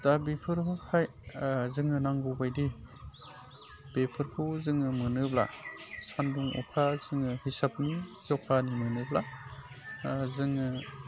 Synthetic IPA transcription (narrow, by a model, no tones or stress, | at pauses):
d̥abepʰɯɾɦɯhʰaj | zɯŋɯnaŋɡubajdi | b̥epʰɯɾkʰuzɯŋɯmɯnɯbla̰sanduŋɔ̰kʰazɯŋɯhisapnizawkʰanimɯnɯbla | zɯŋɯ